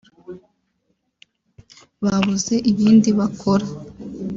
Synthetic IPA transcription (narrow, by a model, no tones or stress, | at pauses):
βaβuze̞ʔiβiːndiβakʰoɾa